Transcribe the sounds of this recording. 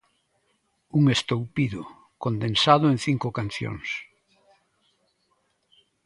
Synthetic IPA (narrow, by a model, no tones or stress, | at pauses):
uŋest̪owpiðʊ | kond̪ensaðʊẽŋθiŋkʊkan̟θjo̰ŋs